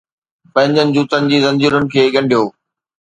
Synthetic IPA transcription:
pɐ̃ɦɪ̃ɲd͡ʑənɪ̆d͡ʑuːt̪ənɪ̆d͡ʑiːzɐ̃ɲd͡ʑuːɾənɪ̆kʰeːɠɐ̃ɳɖʱijoː

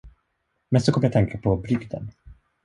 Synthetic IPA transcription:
mɛnsɔkʰɔmːəjat̪ɛŋkapʰɔbɾʏɡd̪ə̰n

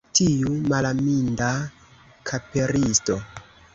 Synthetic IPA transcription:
tʰijumalaminda | kʰapeɾisto

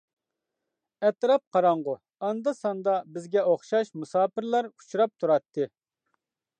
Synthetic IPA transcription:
ɛt̪ɾɑp̚qʰɑɾɑɴʁʊ | ɑnd̪ɑsɑnd̪ɑbɪzɡʲɛoχʃɑʃmusɑːpɪɾlˠɑɾu̥t͡ʃʰɾɑp̚t̪ʰuɾɑt̪ʰːɨ

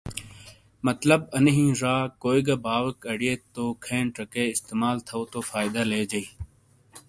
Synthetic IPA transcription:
mət̪ləbənɦĩːɾaːkoːiɡabaːʋəkəɽijeːt̪oːkʰẽːɳʈəkeːɪst̪eːmaːlt̪ʰəoːt̪oːfaːɪd̪aːleːd͡ʒəiː

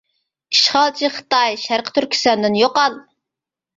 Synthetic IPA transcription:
i̥ʃχɑlˠt͡ʃʰiχə̥t̪ɑjʃæɾqʰə̥t̪ʰyɾkʲʰy̥sɛnd̪ɪnjoqɑlˠ

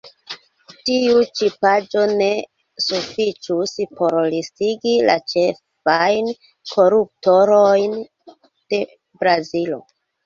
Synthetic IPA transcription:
tiut͡ʃipad͡ʒo̞ne | sufit͡ʃuspo̞ɾlistiɡila̰t͡ʃef | ajn | kʰo̞ɾup̚toɾojn | d̥e̞ | bɾazilo̞̰

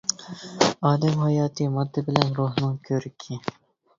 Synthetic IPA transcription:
ɑːd̪ɛmhɑjɑːt̪ʰɨmɑd̪ːɨbɪlɛnɾuhnɨŋkʲʰøɾɪkʲʰɪ

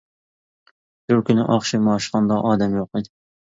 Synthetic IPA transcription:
b̥ʊɾkʲynɪ̰ʔɑχʃimɑːʃχɑnd̪ɑʔɑːd̪ɛmjoqɨd̪ɪ

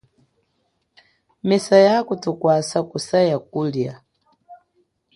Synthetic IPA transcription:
mɛsajakutukwasakusajakulja

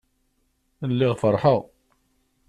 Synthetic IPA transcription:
lːiʁfəɾˤħəʁ

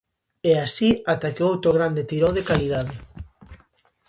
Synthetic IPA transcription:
ɛasiat̪akeowt̪ɾoɣɾand̪et̪iɾowðekaliðaðe

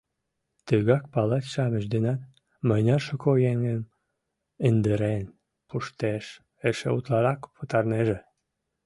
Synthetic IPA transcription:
t̪əɣɑk̚pɑlet̪ʃɑməʃd̪enɑt̪̚ | məjnɑʃokojeŋən | ənd̪əɾen | pʰuʃt̪eʃ | eʃḛut̪lɑɾɑkpʰət̪ɑrneʒe

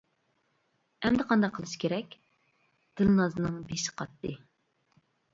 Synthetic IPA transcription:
ɛmd̪ɨqʰɑnd̪ɑqʰəlˠɨʃkʲʰeɾɛkʲ | d̪̥ɨlˠnɑzɨnɨŋbeʃɪ̥qʰɑt̪ːɨ

